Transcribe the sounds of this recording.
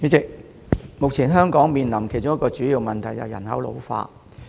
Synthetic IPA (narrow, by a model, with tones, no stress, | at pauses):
yː˨˧˥t͡sɪ˨k̚ | mʊ˨k̚t͡sʰiː˨˩nɦœː˥ŋkɔː˨˥ŋmiː˨nlɐ˨˩mkʰe˨˩jt͡sʊ˥ŋjɐ˥kɔː˧t͡ʃyː˨˥jiː˧wmɐ˨nt̪ʰɐ˨˩jɐ̰˨˩wjɐ̰˨˩nɦɐ̰˨˥wlo̰˨˧wfa̰ː˧t